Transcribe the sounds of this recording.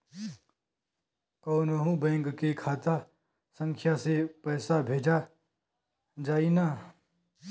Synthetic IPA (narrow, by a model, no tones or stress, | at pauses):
koːnoɦũbɛ̃ːŋkkekʰaːt̪a | sə̃ŋkʰjasepɛːsabʱeːd͡ʒa | d͡ʒaːina